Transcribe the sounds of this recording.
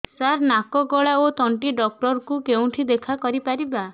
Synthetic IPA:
saɾnakɔɡɔɭaot̪ɔɳʈiɖɔk̚ʈɔɾkukeũʈʰid̪ekʰakɔɾipaɾiba

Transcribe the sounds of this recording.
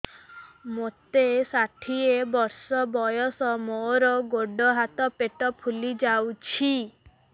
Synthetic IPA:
mot̪esaʈʰiebɔɾsɔbɔjɔsɔmoɾɔɡoɖɔɦat̪ɔpeʈɔpʰulid͡ʒawt͡ʃʰi

